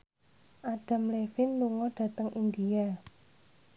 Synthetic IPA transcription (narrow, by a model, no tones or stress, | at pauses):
ʔaɖ̥a̤mlefɪnluŋɔɖ̥ä̤t̪əŋʔind̪ia